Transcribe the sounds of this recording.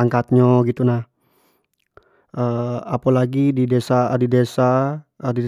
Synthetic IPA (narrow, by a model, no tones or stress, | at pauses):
aŋkat̪̚ɲoɡit̪unah | ʔəapalaɡididesadidesaədi